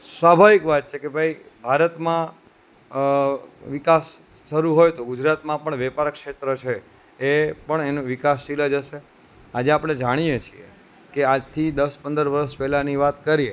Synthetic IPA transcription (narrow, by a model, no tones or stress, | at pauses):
sʋabʱaʋikʋat̪̚t͡ʃʰekebʱai | bʱaɾət̪mã | ʋikas | ʃəɾuɦojt̪oɡʊd͡ʒɾat̪mãpəɳʋɛpaɾkʃet̪ɾət͡ʃʰeː | pəɳenũʋɪkasːiləd͡ʒəʃe | ad͡ʒeapɽ̃ed͡ʒaɽ̃iet͡ʃʰie | kead͡ʒt̪ʰid̪əspənd̪əɾʋəɾəspɛɦlaniʋat̪kəɾie